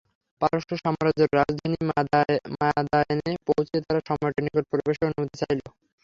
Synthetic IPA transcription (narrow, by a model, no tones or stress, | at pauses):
paɾoʃoʃɔmaɾad͡ʑoɾːad͡ʑd̪ʱani | mad̪anepowt͡ɕiet̪aɾaʃɔmoʈanikoɾpɾobeʃonumod̪ʱit͡ɕajlo